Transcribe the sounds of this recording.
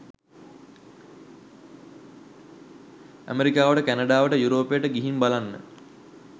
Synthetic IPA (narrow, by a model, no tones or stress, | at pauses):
æ̰meɾikaːʋəʈəkænəɖaːʋəʈəjuɾoːpejəʈəɡiɦimbalanːə̰